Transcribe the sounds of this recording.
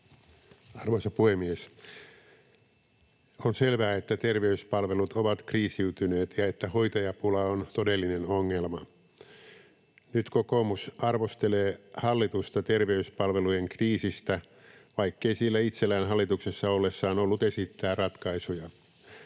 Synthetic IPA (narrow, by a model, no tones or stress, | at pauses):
ɑrʋosɑpuhemːies | onselʋæːet̪ːæt̪erʋeyspɑlʋelut̪ʰoʋɑt̪kriːsiyt̪yne̞ːt̪jɑet̪ːæhoit̪ɑjɑpulɑont̪odelːinenoŋːelmɑ | nyt̪kokomusɑrʋost̪eleːhɑlːit̪ust̪ɑt̪erʋeyspɑlʋelujeŋkriːsist̪æ | ʋɑikːeisiːlːæit̪selːæːnɦɑlːit̪uksesːɑolːesːɑːnolːut̪esit̪ːæːrɑt̪kɑisujɑ